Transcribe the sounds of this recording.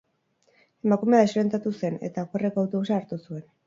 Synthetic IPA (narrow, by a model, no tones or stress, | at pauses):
e̞makumeaespent̪at̪use̞ne̞̰t̪akerekawt̪ousaːɾt̪usue̞n